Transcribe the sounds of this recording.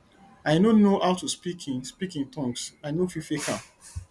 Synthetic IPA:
aɪnonoawtuspikʰĩnspikĩntɔ̃ŋksanofifekʰãm

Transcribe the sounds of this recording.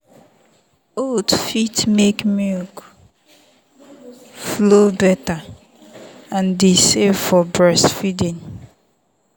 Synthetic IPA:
oldfitmekmɔk | flobɛta | ãndesevfɔbɹɛsfidĩn

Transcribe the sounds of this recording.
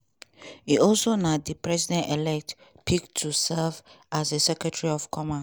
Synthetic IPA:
iɔlsonadipʰɹɛzidɛ̃ntelɛk̚t | pʰiktʰusɛlvasesɛkɹɛtʰɛɹiɔfkʰɔmã

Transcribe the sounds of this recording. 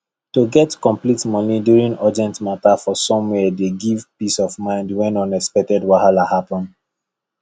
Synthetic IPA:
toɡɛtkɔ̃mplitmɔnidjuɹĩŋadiɛ̃ntmatafɔsɔ̃mwɛdeɡivpisɔvmãɪ̃ndwɛ̃nɔ̃nɛspɛk̚tɛdwahalahapɔ̃nd

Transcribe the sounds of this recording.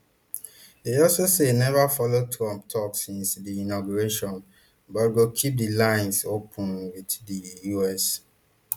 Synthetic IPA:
deɔlsosenɛvafɔlod̚tʰɹɔ̃mp̚tʰɔksĩnsdiinɔɡuɹeʃɔ̃n | bɔtɡokʰip̚dilãɪ̃nsopʰə̃nwiddijuɛs

